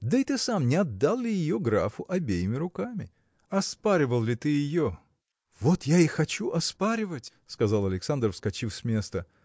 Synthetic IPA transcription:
d̪əɪt̪ɨsamnʲɪɐd̪ːalˠlʲɪjɪjoɡɾa̰fʊʔɐbʲejɪmʲɪɾʊkamʲɪ̰ | ɐspaɾʲɪvəlˠlʲɪt̪ɨjɪjo | vot̪jaixɐt͡ɕuʔɐspaɾʲɪvətʲ | skɐzalˠɐlʲɪksand̪rəfskɐt͡ɕifsʲmʲe̞st̪ə

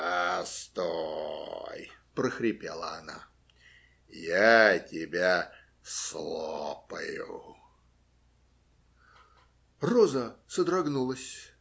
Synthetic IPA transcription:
ast̪o | jpɾəxɾʲɪpʲelˠəɐna̰ | jatʲɪbʲa | slˠoopəjʊ̰ | rɔzəsəd̪ɾɐɡnulˠəsʲ

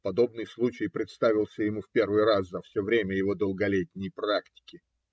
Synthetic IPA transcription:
pɐd̪o̞bnɨjslˠut͡ɕɪjpɾʲɪt̪st̪avʲɪlˠsʲəjɪmufpʲe̞rvɨjraszɐfsʲovɾʲemʲəjɪvo̞d̪əlˠɡɐlʲetʲnʲɪjpɾaktʲɪ̥kʲɪ

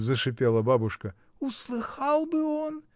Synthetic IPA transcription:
zəʂɨpʲelˠɐbabʊʂkɐ | ʊslˠɨxɑlˠbɨon

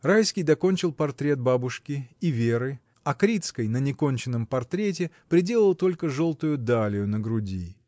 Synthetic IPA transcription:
rajskʲijd̪ɐko̞nʲt͡ɕɪlˠpɐrt̪ɾʲe̞t̪̚babʊʂkʲɪːvʲeɾɨ | ɐkɾʲit̪skəjnənʲɪko̞nʲt͡ɕɪnːəmpɐrt̪ɾʲet̬ʲɪpɾʲɪdʲe̞lˠəlˠt̪o̞lʲkəʐo̞lˠt̪ʊjʊd̪alʲɪjʊnəɡɾʊdʲi

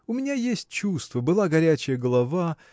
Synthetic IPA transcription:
ʊmʲɪnʲajesʲtʲt͡ɕust̪vəbɨlˠaɡɐɾʲæt͡ɕɪjəɡəlˠɐva

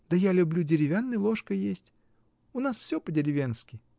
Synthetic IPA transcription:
d̪̥əjalʲʊblʲudʲɪɾʲɪvʲanːɨjlˠoʂkəjesʲtʲ | ʊnasfsʲopədʲɪɾʲɪvʲenskʲɪ

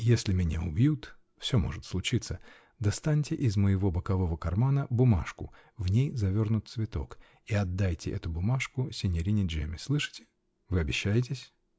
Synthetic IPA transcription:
jesʲlʲɪmʲɪnʲaʊbjut̪ | fsʲomo̞̰ʐɨt̪slˠʊt͡ɕit̪sə | d̪ɐst̪anʲtʲɪʔɪzməjɪvo̞bəkɐvo̞vəkɐrmanəbʊma̰ʂkʊ̰ | vnʲejzɐvʲo̞rnʊt̪̚svʲɪt̪o̞̰k | ɪɐd̪ːajtʲɪʔɛt̪ʊbʊmaʂkʊsʲɪnʲɪɾʲinʲɪʐɛ̰mʲɪslˠɨʂɨ̥tʲɪ̥ | vɨɐbʲɪɕːæjɪt̬ʲɪsʲ

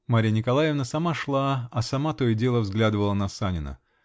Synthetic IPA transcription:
maɾʲɪjənʲɪkɐlˠajɪvnəsɐmaʂlˠaɐsɐmat̪oɪdʲe̞lˠəvzɡlʲad̪ɨvəlˠənɐsanʲɪnə̰

